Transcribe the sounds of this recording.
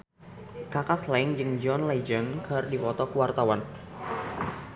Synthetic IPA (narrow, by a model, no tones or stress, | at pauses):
kakaslaiŋd͡ʒɨŋd͡ʒɔnlaid͡ʒənkʰərdipɔt̪ɔkuwart̪awan